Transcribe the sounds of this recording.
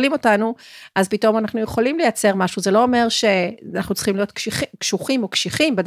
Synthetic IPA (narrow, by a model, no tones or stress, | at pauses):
limo̞tanuʔazpito̞manaχnujeχo̞limlejat͡se̞ʁmaʃuzelo̞ːme̞ʁʃe̞naχnut͡sχimlijo̞t̪kkʃuχimo̞kʃiχimbed